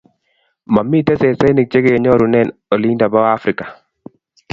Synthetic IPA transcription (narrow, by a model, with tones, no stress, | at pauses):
ma˨mi˦tɛ˦sɛ˨sɛ˦ni˨k̚t͡ʃe˦ɡe˨ɲɔ˦ɾu˨nɛ˦nɔ˨li˦ŋda˨ba˦wa˦fɾi˨ka˨